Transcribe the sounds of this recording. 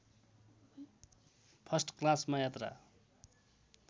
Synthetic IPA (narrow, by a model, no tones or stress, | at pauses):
pʰʌsʈklasmajat̪ra̰